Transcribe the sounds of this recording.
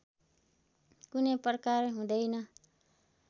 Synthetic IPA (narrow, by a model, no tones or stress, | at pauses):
kunʌjprʌkarɦũd̪ʌjnʌ